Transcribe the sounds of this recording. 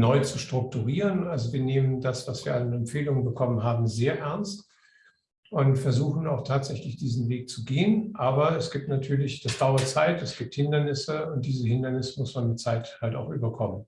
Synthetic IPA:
nɔʏt͡suʃtʁ̥ʊk̚tuʁiːʁənalzoviːɐneːməndasv̥asv̥iːɐannɛmfeːlʊŋənbəkʰɔmənɦaːbm̩zeːɐʔɛɐnst | ʔʊntfɛɐzuːxn̩aʊxtʰaːtz̥ɛçlɪçd̥iːzn̩veːk̚t͡suɡeːənʔaːbɐɛsɡ̥iːp̚tnatʰyːɐlɪçd̥asd̥aʊɐt͡saɪtɛsɡ̥iːp̚thɪndɐnɪsəʊnt̚d̥iːzəhɪndɐnɪsə̥mʊsmanmɪtt͡saɪthalta̰ʊxʔyːbɐkʰɔmən

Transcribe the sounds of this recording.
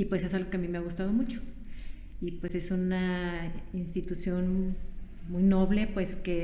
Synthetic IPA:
ipwesesalɣokeamimeaɣust̪að̞omut͡ʃo̥ | ipwese̞suna | inst̪it̪usjon | mujnoβlepweske

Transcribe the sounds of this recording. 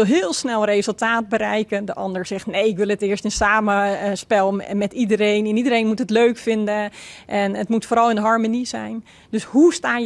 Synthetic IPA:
ɪlˠɦɪːlˠsnɛlˠreːzəlˠtaːt̚bəɾɛjkəndəʔɑndəɹz̥ɛxtnejɪkʋɪlˠətɪərstɪsaːməspɛlˠmɛtidəɾejnɪnidəɾejnmutətløːkfɪndəʔɛnətmutfoːɾɔlˠɪnɦɔɹmonizɛ̰jn | døshustaː

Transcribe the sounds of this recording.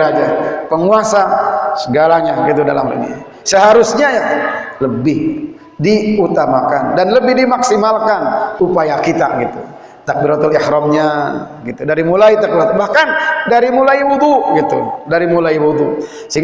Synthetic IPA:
ɾad͡ʒapəŋuasasəɡalaɲaɡit̪̬uda̰la̰mlə̰nḭ | səɦaɾusɲajaləbɪh | diut̪amakandanləbɪhdimaksimalkanupajakit̪a̰ɡit̪ṵ | t̪ak̚biɾat̪ulihɾɔmɲa | ɡit̪udaɾimulait̪ak̚biɾat̪bahkandaɾimulaiwud̪uɡit̪ṵdaɾimulaiwuðu | səɦiŋ

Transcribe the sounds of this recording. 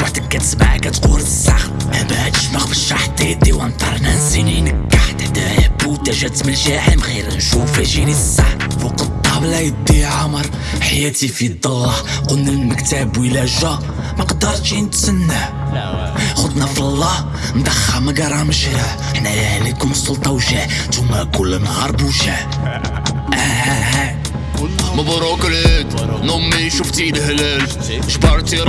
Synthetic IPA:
waħt̪əkːæt̪sbaʕakæt̪quɾəsax | mæ̰bæʕt̪ʃmæxfəʃːɑħt̪ˤid̪iwænt̪ˤɑɾˤnænsininəkːaħt̪d̪æħbːut̪æʒæt̪ːməlʒæħəmɣiɾnʃufiʒiɾisːaħwuqɑt̪ˤːɑblæjəd̪iʕaməɾˤ | ħajæt̪ifid̪ˤɑlːɑħqʊlnːælməkt̪æbwilæʒæ | mæqɑd̪ːɑɾˤʃint̪sənːæ | xʊd̪næfəlˤːɑh | nd̪ˤɑxːɑmæɡɑɾˤɑməʃɾæ | ħnæjʕlikʊmsˤʊlt̪ˤɑwʒæʕ | t̪umːækʊlːnhɑɾˤbuʒæ | ʔæhææ | məbɾukələt̪nʊmːiʃuft̪ilhlæl | ʒbɑɾˤt̪iɾ

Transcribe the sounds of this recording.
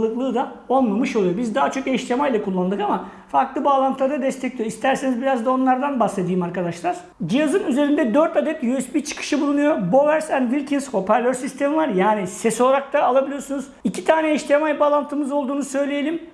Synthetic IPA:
ɯklˠɯːd̪a | o̞lˠmamɯʃo̞lˠujo̞bizd̪aɦat͡ʃʰo̞keʃt̪ʰemajlʲˠakʰulˠːand̪ɯkama | faɾklˠɯbaːlˠant̪ʰɯlˠaɾd̪ad̪ɛst̪ʰɛclʲijoist̪ʰæɾse̞nizbiɾazd̪ao̞nlˠaɾd̪anbase̞d̪ijːimaɾkad̪aʃlˠaɾ̥ | d͡ʒijazɯnyze̞ɾind̪ɛd̪øɾt̪ad̪ɛt̪jysbiɾt͡ʃʰɯ̥kʰɯ̥ʃɯbulˠunujo̞bo̞væɾsænd̪vilʲcʰinsho̞pʰæɾlʲøɾsist̪ʰe̞mivaɾjaːnisɛso̞lˠaɾak̚t̪ʰaːlˠabilʲijo̞sunuzicʰit̪ʰaːnɛːʃt̪ʰʲemajbaːlˠant̪ʰɯmɯzo̞lˠd̪uːnusø̞jlʲejelʲim

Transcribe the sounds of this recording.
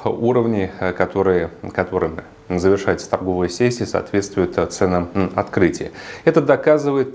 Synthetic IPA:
uɾəvnʲɪjkɐt̪o̞ɾɨjəkɐt̪o̞ɾɨmɨ | zəvʲɪrʂajɪt̪sə̥t̪ɐrɡo̞vəjəsʲesʲɪəsɐ̰ːt̪vʲe̞t̪st̪vʊjʊt̪t̪sɛnəmɐt̪kɾɨtʲɪjəɛt̪əd̪ɐkazɨvəjɪt̪̚

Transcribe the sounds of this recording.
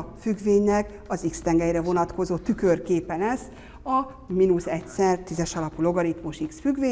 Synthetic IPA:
fyɡveːɲnɛk | ɒzikst̪ɛŋɡɛjrɛvo̞nɒt̪ko̞zoːt̪ykø̞rkeːpɛlɛsː | ɒ | minusɛcsɛrt̪izɛʃɒlɒpulo̞ɡɒɾit̪muʃiksfyɡveː

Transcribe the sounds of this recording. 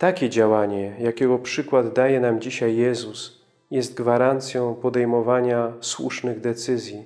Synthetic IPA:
t̪akʲɛd͡ʑawaɲɛjakʲɛɡɔpʂɘkwad̪ːajɛnamd͡ʑiɕajːɛzus | jɛst̪̚ɡvaɾant̪sʲjɔ̃w̃pɔd̪ɛjmɔvaɲaswṵʂnɘɣd̪ɛt̪sɘzʲji

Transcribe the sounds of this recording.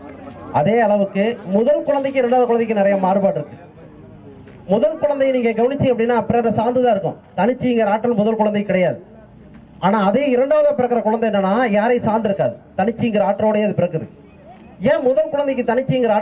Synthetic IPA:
ɐðeːɐɭɐʋɯkːɯmʊðɐlkʊɻɐnd̪ɐɪkːɯɪɾɐɳɖaːðɐ̃kʊɻɐnd̪ɐkːɯnɪɾɐjɐmaːɾɯpaːʈːɪɾɯkːɯ | mʊðɐlkʊɻɐnd̪ɐjniːŋɡɐɡɐʋɐnɪt͡ʃːɪ̃ŋɐpːɐɽɪnːaːɐpːɐɽiɐnðɐsaːɾnd̪ɯðãːɪɾɯkːʊ̰̃ | t̪ɐnɪt͡ʃːɯɪŋɡɐɾɐaːʈːɐlmʊðɐlkʊɻɐnd̪ɐɪkɪɽɐjaːðɯ | ʔaːnaːɐðejɪɾɐɳɖaːʋɐðãːpɪɾɐkːɯɾɐkʊɻɐnd̪ɐɛnːɐnːaːjaːɾɐɪsaːɾnd̪ɪɾɯkːaːðɯt̪ɐnɪt͡ʃːɯɪŋɡɐɾɐaːʈːɾoːɽɐjeːɐðɯpɪɾɐkːɯðɯ̰ | jẽːmʊðɐlkʊɻɐnd̪ɐɪkːɯt̪ɐnɪt͡ʃːɯɪŋɡɐɾɐaː

